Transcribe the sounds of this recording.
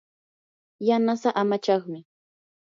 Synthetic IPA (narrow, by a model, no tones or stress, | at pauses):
janasaʔamat͡ʃɑχmɪ